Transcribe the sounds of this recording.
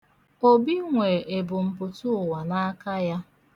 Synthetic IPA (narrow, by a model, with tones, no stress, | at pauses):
o˦bi˦ŋʷe˨e˨bʊ˨m̩˨pʊ˨tʊ˦ʊ˨wa˨na˦ka˦ja˦